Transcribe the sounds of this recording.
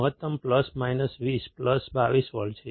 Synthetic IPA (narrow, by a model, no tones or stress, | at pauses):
ɦət̪ːəmpləsmajnəsʋispləsbaʋisʋəlt͡ʃʰe